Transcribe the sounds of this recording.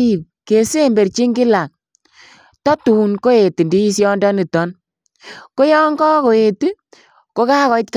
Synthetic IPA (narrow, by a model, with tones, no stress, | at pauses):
i˦˨p̚ke˨se˦mbe˨ɾt͡ʃi˦ŋɡɪ˦la˨k̚ | tɔ˦tu˨nko˦e˨ti˨ndi˦i˦s̬jɔ˦ndɔ˦ni˨tɔ˨˦n | ko˦jɔ˦ŋɡɔ˦ko˨e˨ti˦ | ko˦ka˦kɔ˨˦tk